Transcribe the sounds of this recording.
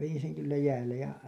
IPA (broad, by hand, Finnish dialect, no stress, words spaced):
ʋejin seŋ kylːæ jæːlːej jɑ